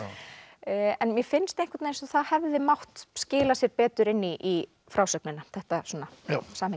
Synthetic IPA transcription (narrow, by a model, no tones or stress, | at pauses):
ɛnmjɛfɪnst̪ejŋkvaɾt̪ejnsɔθaðhɛvðɪmawht̪scɪːlasjɛɾpɛːt̪ʏɾɪnːiʔi | fɾaːwsœknɪnaθɛht̪asɔːnasaːmhɪ